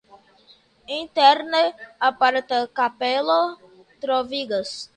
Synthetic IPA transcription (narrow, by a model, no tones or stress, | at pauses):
ẽt̪ɛɾneapaɾt̪ɐkapelo | t̪ɾoviɡɐs